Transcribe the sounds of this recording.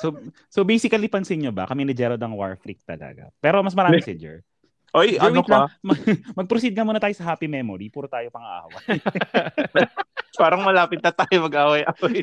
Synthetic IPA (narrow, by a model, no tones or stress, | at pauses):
so | sobɛjsɪkɐlipɐnsɪŋɲobɐ̰kɐmɛnɐd͡ʒɛɾod̪ɐŋwa̰ɹfɾik̚t̪ɐ̰lɐ̰ɡɐ̰pɛːɾomɐs̬mɐɾaːmmsɛd͡ʒɛ̰ɹ | ʔojdɐɛw̪omɐmɐɡ̚pɾosid̪̚ŋɐmoːnɐt̪aːjosɐɦaːpimɛmoɾipuːɾot̪aːjopɐŋɐʔa̰ːwɐ | paːɾɐŋmɐlaːpɪt̪̚nɐt̪aːjomɐɡʔaːwɐjʔɐoj